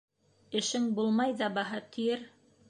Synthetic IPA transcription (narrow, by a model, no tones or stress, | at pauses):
ɘ̆ʃɘŋbulˠmɑjðɑbɑɦɑt̪ʰĭjɘɾ